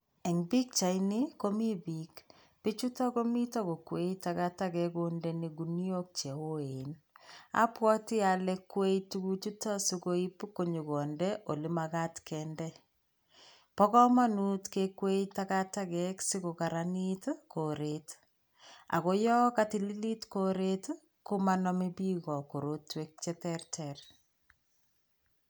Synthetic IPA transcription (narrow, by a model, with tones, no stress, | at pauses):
e˨ŋbi˦k̚t͡ʃa˨jni˦ko˦mi˦bik | pi˦t͡ʃu˦ta˦ko˦mi˦tɔ˦ko˨kwe˦jtaka˦takɛ˨kondɛni˨ɡuni˦o˦k̚t͡ʃe˨wo˦e˨na̰˦pwɔ˦tɪ˦a˨le˦kwe˦jtu˦ku˦t͡ʃu˦ta˦su˦ko˦i˦pu˦kːo˨ɲu˨kɔ˨ndɛʔo˨li˦maka˦tkɛndɛ | pɔ˦kɔ˦ma˦nu˦tkekwe˦jtakatakɛksi˦ko˨kaɾanitkʰo˨ɾet | a̰˨ko˦jɔ˦kati˦li˦li˦tko˦ɾet | ko˦ma˦nɔmi˦bi˦ɣɔ˨ko˨ɾo˦twek̚t͡ʃɛ˦tɛrtʰɛr